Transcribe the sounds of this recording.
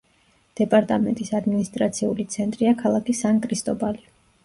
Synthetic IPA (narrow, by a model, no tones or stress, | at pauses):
d̪̥ɛpʼaɾt̪ʼamɛ̰nt̪ʼisad̪minist̪ʼɾat̪sʰiulit̪sʰɛnt̪ʼɾiakʰalˠakʰisaŋkʼɾist̪ʼɔbali